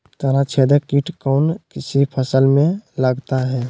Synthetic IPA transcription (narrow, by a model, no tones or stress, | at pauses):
t̪əɾat͡ʃʰed̪əkiʈkɔːnkɪsipʰəsəlmẽləɡt̪aɦɛː